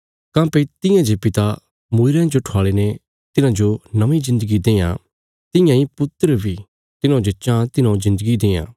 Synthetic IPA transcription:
kãːpet̪ɪ̃jãd͡ʒepɪt̪a | mʊɪɾãd͡ʒoʈʰaːɭene | t̪ɪnãd͡ʒonɐʋĩzɪ̃nd̪əɡid̪eːjã̰ | t̪ɪ̃jãːipʊt̪əɾəbʱiː | t̪ɪnãd͡ʒot͡ʃãt̪ɪnɔ̃zɪ̃nd̪əɡid̪ẽːã̰ː

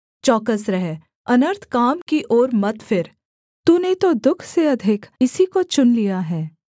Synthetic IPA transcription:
t͡ʃɔːkəsɾɐɦɛ | ɐnəɾt̪ʰkaːmkiʔoːɾmɐt̪fɪɾ | t̪uːnet̪od̪ʊkʰseɐd̪ʱɪkʰɪsikot͡ʃʊnlijaɦɛː

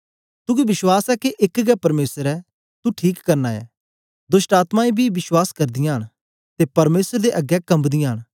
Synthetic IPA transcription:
t̪ʊɡibɪswaːsɛkeʔɪkɡɛpɐɾmeːsəɾɛ | t̪uʈʰiːkːɐɾnaɛ̰ː | d̪ʊsʈaːt̪mãĩbʱiʋɪswaːskɐɾd̪ɪjãɦɽ̃ | t̪epɐɾmeːsəɾd̪eʔɐɡɛkɐ̃mbd̪ɪjãːəɽ̃

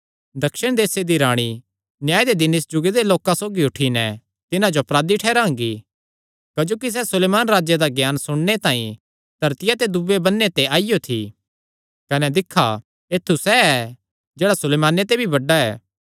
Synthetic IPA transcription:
d̪ɐkʃɪɽ̃d̪eːsed̪iɾaːɽ̃i | njaːed̪ed̪ɪnɪsd͡ʒʊɡed̪eloːkãsoːɡiʊʈʰinɛ | t̪ɪnãd͡ʒoɐpɾaːd̪iʈʰɛːɾãːŋɡi | kɐd͡ʒoːkis̬ɛsʊleːmaːnɾaːd͡ʒjed̪aɡjaːnsʊɽ̃net̪ãːĩ | d̪̥ʱɐɾt̪ɪjat̪ed̪ʊbebɐnːet̪eaːɪjot̪ʰḭ | kɐnɛd̪ɪkʰːa̰ | eːt̪ʰːusɛɛ | d͡ʒeːɽasʊleːmaːnet̪ebʱibɐɖːaɛ̰ː

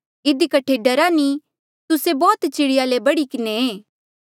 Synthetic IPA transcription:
ɪd̪ikɐʈʰːeɖɐɾani | t̪ʊsebɔːt̪t͡ʃɪɽɪjalebɐɽikɪneeː

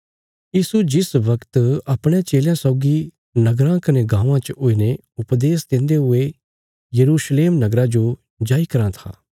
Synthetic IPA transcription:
jiːsud͡ʒɪsʋɐkt̪ɐpɽ̃jãt͡ʃeːljãsɔːɡi | nɐɡɾãkɐneɡãːʋãt͡ʃoːine | ʊpd̪eːsd̪ẽːnd̪eɦʊe | jɐɾuːʃleːmnɐɡɾad͡ʒo | d͡ʒaːikɐɾãt̪ʰa̰ː

